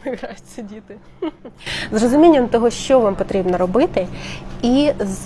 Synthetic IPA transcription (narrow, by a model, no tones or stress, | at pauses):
ɪʋɾajʊtʲsʲɐdʲit̪ɪ | zrɔzʊmʲinʲːɐmt̪ɔɦɔʃt͡ʃɔʋampɔt̪ɾʲibnɐɾɔbɪt̪ɪiz